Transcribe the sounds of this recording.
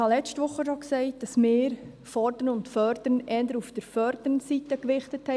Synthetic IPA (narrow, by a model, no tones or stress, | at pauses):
hɑlɛt͡stʋʊχːəʃɔksɛɪt̚d̥ɑsmɪːɾ | fɔɾd̥əɾənʊntfœɾd̥əɾnʔɛːndəɾufd̥əɾfœɾd̥ənsitəkɾɪχtəthɛ